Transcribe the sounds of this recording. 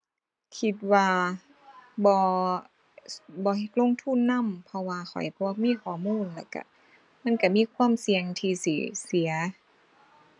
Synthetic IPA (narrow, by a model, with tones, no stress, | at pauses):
kʰi˧t̪̚waː˧ | bɔː˧ | bɔː˧˦he˧˩t̪̚lo˧˥˨ŋt̪ʰuː˧˥˨nːa˧˥˨mpʰɔ˧waː˧xʰɔ̰˨˩jbɔː˧miː˧˥˨kʰɔː˨˩˦muː˧˥˨nlɛ˧˩ka̰˧˩ | ma˧˥˨nka˧˩miː˧˥˨kʰwaː˧˥˨msi˧əŋt̪ʰiː˧sḭ˨˧˦si˨˦ɐ